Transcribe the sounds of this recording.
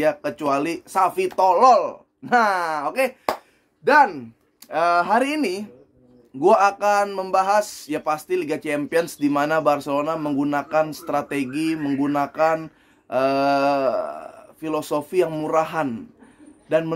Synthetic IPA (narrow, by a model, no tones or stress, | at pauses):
akət͡ʃualisafit̪olɔl | naoke | dan | əːɦaɾiːni | ɡuaːkanməmbaɦasjapast̪iliɡat͡ʃɛampiənsdimanabarsəlonaməŋɡunakanst̪ɾat̪eɡiməŋɡunakan | ʔə | filosofijaŋmuɾaɦan | danmə